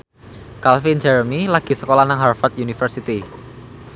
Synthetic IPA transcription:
kalfind͡ʒaɾəmilaɡ̥i̤səkolanaŋɦarfɔrt̪̚junifərsit̪i

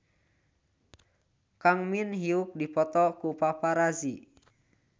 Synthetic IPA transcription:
kaŋminɦiuk̚dipɔt̪ɔkupapaɾazi

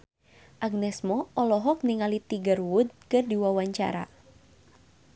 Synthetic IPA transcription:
ʔaɡ̚nɛsmɔʔɔlɔɦɔk̚niŋalit̪iɡaruwʊd̪̚kɨrdiwawaɲt͡ʃa̰ɾa̰

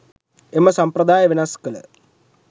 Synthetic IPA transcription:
eməsampɾəd̪aːjəʋenaskələ̰

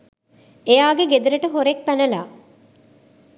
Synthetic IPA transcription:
ejaːɡeɡed̪uɾəʈəɦoɾek̚pænəlaː

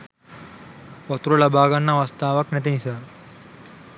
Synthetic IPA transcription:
pɔt̪uɾɐlabʱaːɡanːaʋɐst̪aːʋɐknɛt̪̬enisaː

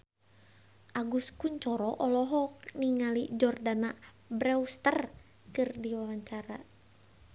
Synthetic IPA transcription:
ʔaɡuskuɲt͡ʃɔɾɔʔɔlɔɦɔkniŋalid͡ʒɔrdana | bɾɛust̪ər | kɨrdiwawaɲt͡ʃaɾa

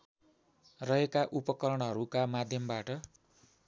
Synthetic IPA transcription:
rʌɦekaʔupʌkʌɾʌɽ̃ɦʌɾukamad̪ʱjʌmbaʈʌ

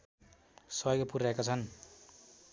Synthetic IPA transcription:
sʌjɡpuraekat͡sʰʌn

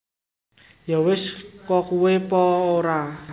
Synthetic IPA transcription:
jɔwɪskɔkuwepɔoɾa

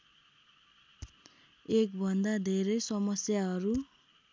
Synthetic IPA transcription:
ek̚bʱʌnd̪ad̪ʱeɾʌjsʌmʌsjaɦʌɾu

